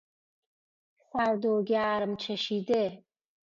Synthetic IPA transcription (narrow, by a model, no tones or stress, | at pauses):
saɾd̪oːɡaːɾəmt͡ʃʰeʃid̪e